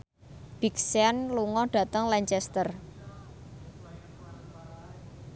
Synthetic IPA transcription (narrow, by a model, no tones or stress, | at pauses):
b̥ikseanluŋɔɖ̥ä̤t̪əŋlaɲt͡ʃɛst̪ər